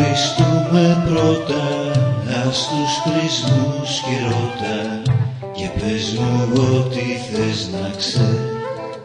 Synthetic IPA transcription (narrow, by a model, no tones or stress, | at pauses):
ist̪ume̞pɾo̞t̪ɐɐst̪usxɾizmusçeɾo̞t̪ɐ | cepeznuot̪iθeznɐkse